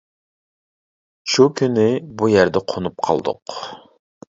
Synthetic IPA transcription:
ʃukʲʰynɪbujæɾd̪ɛqʰonup̚qʰɑ̰lˠd̪ʊ̰q

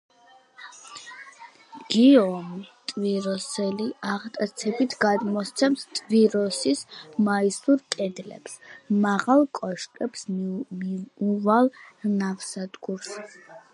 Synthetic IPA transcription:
ɡ̥iɔmt̪ʼviɾɔsɛliaʁt̪ʼat̪sʰɛbit̪ʰɡad̪mɔst̪sʰɛmst̪ʼviɾɔsismaisuɾkʼɛd̪lɛ̰psmaʁalˠkʼɔʃkʼɛpsmiuvalˠnafsad̪ɡuɾs

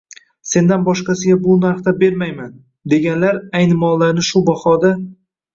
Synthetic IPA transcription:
se̞nd̪anbɒʃqɑsɪɡʲabʊnaɾχt̪abe̞ɾmajman | d̪e̞ɡʲanlaɾajnɪmɒlˠːaɾnɪʃʊbahɒd̪a

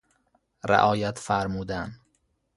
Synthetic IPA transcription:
ɾḛʔɒːjæt̪fæɾmuːd̪æn

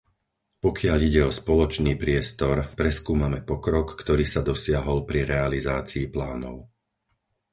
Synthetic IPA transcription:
pɔkɪaʎiɟɛɔspɔlɔt͡ʃniːpɾɪɛst̪ɔɾpɾɛskuːmamɛpɔkɾɔkːt̪ɔɾiːsad̪ɔsɪaɦɔlpɾiɾɛalizaːt͡siːplaːnɔ̰ʊ

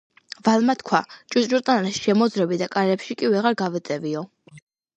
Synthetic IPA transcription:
valmat̪kʰwat͡ʃʼud͡ʒuɾt̪ʼanaɾɛsʃɛmɔd̪zɾɛbid̪akʼaɾɛpʃikʼivɛʁaɾɡavɛt̪sʼɛviɔ

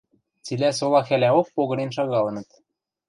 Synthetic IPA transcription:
t͡silæsolˠɑxælæok̚poɣɤ̆ɾenʃɑɣɑlˠɤ̆nɤ̆t̪

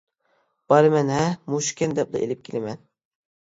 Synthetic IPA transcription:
b̥ɑɾɨmɛnɦɛmuʃkʲʰɛnd̪ɛp̚d̪ɨ̰ʔḛlɪp̚kʲʰilɪmɛn

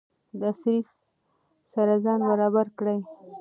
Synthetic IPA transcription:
d̪əasɾis | saɾazɑnbaɾɑbaɾkɽaj

